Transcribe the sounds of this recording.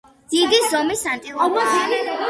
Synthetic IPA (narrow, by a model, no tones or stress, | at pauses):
d̪̥id̪isɔmisant̪ʼiqʼɔmɔ